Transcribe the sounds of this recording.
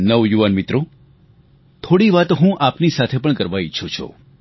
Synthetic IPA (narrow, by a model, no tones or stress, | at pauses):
nəʋjuʋanmit̪ɾo | t̪ʰoɽiʋat̪oɦũʔapnisat̪ʰepəɳkəɾʋait͡ʃʰũt͡ʃʰo̰